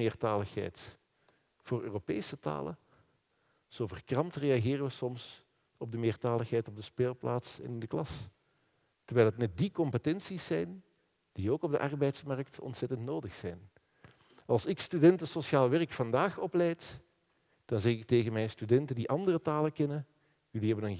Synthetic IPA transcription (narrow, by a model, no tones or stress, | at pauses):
ɪːrtaːləxɦɛ̰jt | v̥oːrø̰ːropeːsəta̰ːlə̰ | z̥oːvərkrɑmtreɑɣɪːrəʋəsɔms | ɔb̚dəmɪːrtaːlˠəxɦɛjtɔb̚dəspeːlˠplaːtsɛ̰nɪndəklɑs | tərʋɛːlˠɦətnɛt̚dikɔmpətɛnsisɛjn | d̥ioːkɔb̚də̰ʔɑrbɛjtsmɑrktɔ̰ntsɛtəntnoːdəxsɛjn | ɑlˠsɪkstydɛntəsoʃjaːlˠʋɛrkfɑndaːxɔplɛjt | d̥ɑnzɛxɪk̚teːɣənmɛjnstydɛntəndiʔɑndərətaːləkɛnə | jɵliɦɛbənən